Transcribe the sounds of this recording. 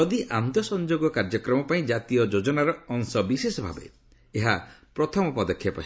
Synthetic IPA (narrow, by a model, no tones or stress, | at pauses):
ɔd̪iʔamnt̪jɔsɔnd͡ʒoɡɔkaɾd͡ʒɔkɾɔmɔpaĩd͡ʒat̪ijɔd͡ʒod͡ʒɔnaɾɔːŋsɔbisesɔbʱa̰bḛ | eɦapɾɔt̪ʰɔmɔpɔd̪ɔkʰːjapɔ̰